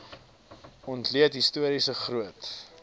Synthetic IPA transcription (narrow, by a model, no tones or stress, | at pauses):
ɔntliətɦistuəɾisəχrɾuət